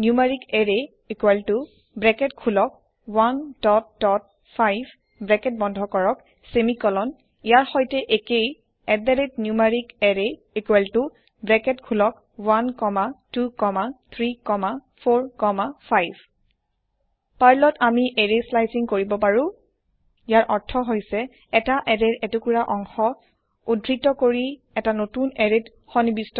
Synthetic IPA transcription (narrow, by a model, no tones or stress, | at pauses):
njumaɹikɛɹe | ekuwaltʊ | bɹɛkɛtkʰulɔk̚ | wandɔtdɔt̚ | pʰajb | bɹɛkɛt̚bɔndʱɔkɔɹɔk | semikɔlɔn | ijaɹxɔjtɛʔekej | ɛdaɹetnjumaɹikɛɹe | ekualtʊ | bɹɛkɛtkʰulɔk̚ | wankɔmatukɔmat̪ʰɹikɔmapʰoɹkɔmafʰajb | paɹlɔtamiʔeɹeslajsiŋkoɹibɔpaɹũ | ijaɹʔɔɹtʰɔɦojsɛː | taʔɛɹeɹɛtukuɹaʔɔŋxɔ | udɹitɔkoɹi | ɛtanotunɛɹet | xɔnibistɔ